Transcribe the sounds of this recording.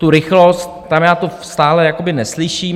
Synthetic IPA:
t̪uɾɪxlost̪̚t̪amjaːt̪ost̪aːlɛjakobɪnɛslɪʃiː

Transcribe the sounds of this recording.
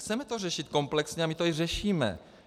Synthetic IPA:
xt͡sɛmɛt̪orɛʃit̪̚ko̞mplɛksɲɛamit̪oirɛʃiːmɛ̰

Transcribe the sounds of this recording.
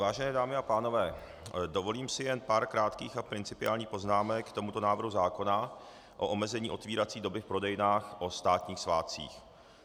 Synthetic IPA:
vaːʒɛnɛːdaːmɪapaːno̞vɛː | do̞vo̞liːmsɪjɛnpaːɾkɾaːt̪kiːxapɾɪnt͡sɪpɪa̰ːlɲiːxpo̞znaːmɛkt̪o̞mut̪o̞naːvɾr̩ɦuzaːko̞na | ʔo̰ʔomɛzɛɲiːʔo̞t̪viːɾat͡siːdo̞bɪfpɾo̞dɛjɪnaːxʔo̞st̪aːt̪ɲiːxsvaːt͡sḭːx

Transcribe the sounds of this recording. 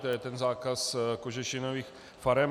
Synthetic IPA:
t̪ojɛt̪ɛnzaːkaskoʒɛʃɪnoviːx | faɾɛm

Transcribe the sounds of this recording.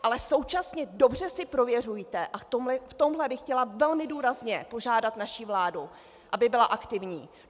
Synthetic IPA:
ʔalɛso̞wt͡ʃasɲɛdo̞br̝ɛsɪpɾo̞vjɛr̝ujit̪ɛʔat̪omlɛft̪o̞mɦlɛbɪxcɛlavɛlmɪduːɾazɲɛpo̞ʒaːdat̪naʃivlaːdu | ʔabɪbɪlaʔakt̪ɪvɲiː

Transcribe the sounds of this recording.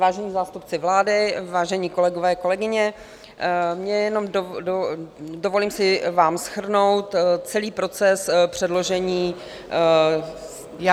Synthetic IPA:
vaːʒɛɲiːzaːst̪upt͡sɪvlaːdɪvaːʒɛɲiːko̞lɛɡovɛːko̞lɛɡɪɲɛ | mɲɛjɛno̞mdododovo̞liːmsɪvaːmsxr̩no̞wt̪t͡sɛliːpɾo̞t͡sɛspr̝̥ɛdlo̞ʒɛɲiː | j

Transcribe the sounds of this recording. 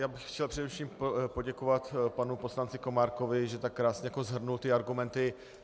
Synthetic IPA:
jaːbɪxxcɛlpr̝̥ɛdɛfʃiːmpo̞ɟɛkovat̪panupo̞slant͡sɪko̞maːɾkovɪʒɛt̪akːɾaːsɲɛjakozɦr̩nult̪ɪaɾɡumɛnt̪ɪ

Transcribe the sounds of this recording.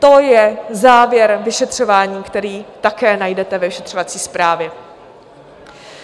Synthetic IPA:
t̪o̞jɛzaːvjɛɾvɪʃɛt̪r̝̥o̞vaːɲiːkt̪ɛɾiːt̪akɛːnajdɛt̪ɛvɛvɪʃɛt̪r̥ovat͡siːspɾaːvjɛ

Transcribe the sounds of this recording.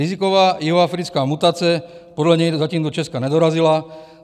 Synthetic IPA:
izikɔʋaːjiɦɔafɾit͡skaːmut̪aːt͡siɛ | pɔd̪laɲɛjzaciːmd̪ɔt͡ʃɛskaɲɛd̪ɔɾazila

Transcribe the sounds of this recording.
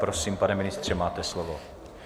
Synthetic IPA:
pɾosiːmpanɛmɪnɪst̪r̝̥ɛmaːt̪ɛslovo

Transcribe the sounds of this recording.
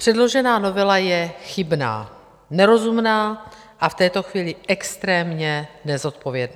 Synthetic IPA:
pr̝̥ɛdlo̞ʒɛnaːno̞vɛlajɛxɪbna̰ː | nɛɾo̞zumnaː | ʔaft̪ɛːt̪o̞xviːlɪɛkst̪ɾɛːmɲɛnɛzo̞t̪po̞vjɛdnaː

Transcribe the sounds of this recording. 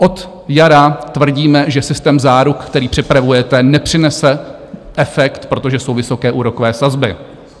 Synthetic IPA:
ʔo̞t̪ | jaɾat̪vr̩ɟiːmɛʒɛsɪst̪ɛːmzaːɾukkt̪ɛɾiːpr̝̥ɪpɾavujɛt̪ɛnɛpr̝̥ɪnɛsɛ | ʔɛfɛkt̪pɾo̞t̪o̞ʒɛsowvɪso̞kɛːʔuːɾo̞kovɛːsazbɪ

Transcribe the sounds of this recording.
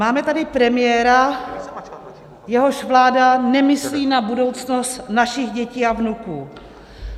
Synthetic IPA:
maːmɛt̪adɪpɾɛmɪjɛɾa | jɛɦo̞ʃvlaːdanɛmɪsliːnabudo̞wt͡snost̪naʃɪɣɟɛciːavnukuː

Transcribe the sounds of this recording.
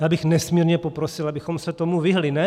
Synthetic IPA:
jaːbɪxnɛsmiːɾɲɛpopɾosɪlabɪxomsɛt̪omuviɦlɪnɛ

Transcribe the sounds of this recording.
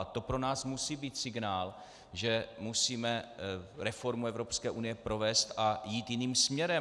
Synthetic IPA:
t̪o̞pɾo̞naːsmusiːbiːt̪sɪɡnaːl | ʒɛmusiːmɛɾɛfo̞ɾmuɛvɾo̞pskɛːʔunɪjɛpɾo̞vɛːst̪ʔajiːt̪jɪniːmsmɲɛɾɛ

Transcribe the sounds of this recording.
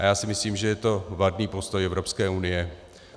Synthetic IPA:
ʔajaːsɪmɪsliːmʒɛjɛt̪o̞vadniːpo̞st̪ojɛvɾo̞pskɛːunɪjɛ

